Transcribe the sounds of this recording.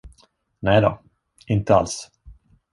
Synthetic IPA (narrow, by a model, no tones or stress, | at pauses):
nɛjd̪ɔ | ɪnt̪əa̰ls